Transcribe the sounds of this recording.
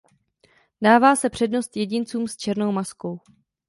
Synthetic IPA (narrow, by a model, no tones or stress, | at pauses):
daːvaːsɛpr̝̥ɛdno̞st̪jɛɟɪnt͡suːmst͡ʃɛɾno̞wmasko̞w